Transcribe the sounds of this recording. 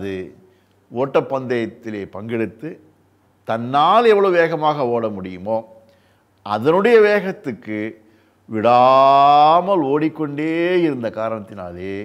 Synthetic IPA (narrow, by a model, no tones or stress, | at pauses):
ɐðɯ̰ | oːʈːɐpːɐnd̪ɐjɐt̪ːɪleːpɐŋɡɛɽɯt̪ːɯ | t̪ɐnːaːlɛʋːɐɭoʋeːɣɐmaːɣɐoːɽɐmʊɽɪjɯmoː | ʔɐ̰ðɐnɯɽɐjɐʋeːɣɐt̪ːɯkːɯ | ʋɪɽa | mɐloːɽɪkːɔɳɖeːjɪɾɯnd̪ɐkaːɾɐɳɐt̪ːɪna̰ːleː